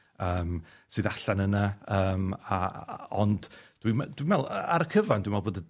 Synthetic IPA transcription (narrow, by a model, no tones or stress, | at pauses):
əːm | sɨːðaɬanənaəːmaɔndd̥wimd̥wimɛlˠəaɾəkʰəvandwimalˠboːdə